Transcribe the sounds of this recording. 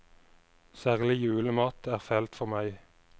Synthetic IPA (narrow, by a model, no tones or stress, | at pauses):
sæːʁlɪjʉːləmɑːt̪ʰæːʁfɛlt̪fɔʁmæɪ